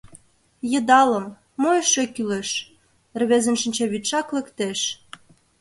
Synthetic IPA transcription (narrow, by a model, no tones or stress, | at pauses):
jə̆d̪ɑlə̆mː | ojʃøkyleʃ | rβezə̆nʃə̆nʲt͡ɕɑβit̪ʃɑklə̆kt̪eʃ